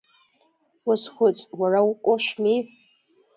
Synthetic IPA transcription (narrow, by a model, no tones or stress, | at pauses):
wʊsχʷʊt͡sʼwaraqʷʼoʃmi